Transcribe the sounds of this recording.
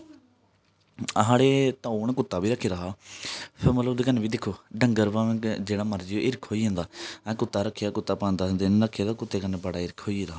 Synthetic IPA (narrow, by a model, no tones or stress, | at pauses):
ɦaːɽeːt̪ãːunːkʊt̪ːaːbiːɾəkʰeːɾəɦaːpʰɪɾmət̪ləbd̪ekənːeːbiːd̪ɪkʰːoːɖəŋɡəɾbãːd͡ʒeːɽaːməɾd͡ʒɪoʔɪɾkʰoːiːɦãːnd̪aːɛ̃ːkʊt̪ːaːɾəkʰːejaːkʊt̪ːaːpãːnd̪aːd̪enːɾəkʰːejd̪aːkʊt̪ːeːkənebəɽaːɪɾkʰoːiɾəɦaː